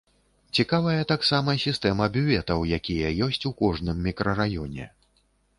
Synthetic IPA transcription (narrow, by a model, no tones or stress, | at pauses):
t͡sʲikavɐjɐt̪aksamɐsʲist̪ɛmɐbʲuvʲɛt̪ɐwjakʲijɐjɔsʲt͡sʲukɔʐnɨmːʲikɾʔɐɾajɔnʲɛ̰